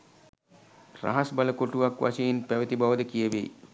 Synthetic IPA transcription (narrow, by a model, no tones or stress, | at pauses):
ra̰ɦasbaləkoʈuʋakʋa̰sejinpæʋət̪ibaʋəd̪əkijəʋḛ